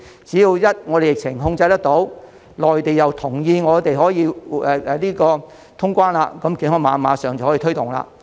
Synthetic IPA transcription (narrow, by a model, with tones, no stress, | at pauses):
t͡siː˨˥jiː˧wjɐ˥t̚ŋɔː˨˧ɾe˨jɪ˨k̚t͡sʰɪ˨˩ŋɦʊ˧ŋt͡sɐ˧jt̪ɐ˥k̚t̪o˨˥w | lɔː˨˩jt̪e˨jjɐ˨wt̪ʰʊ˨˩ŋjiː˧ŋɔː˨˧t̪e˨jɦɔː˨˥jiː˨˧ɛː˨ɛ˨liː˥kɔː˧ | t̪ʰʊ˥ŋkʷwaː˥nlaː˧kɐ˨˦mkiː˨˥nhɔː˧˥ŋmaː˨˧nmaː˨˧˥sœː˨˩ŋt͡swhɔː˨˥iː˧t̪ʰɵ˥ɥt̪ʊ˨˩ŋla̰ː˧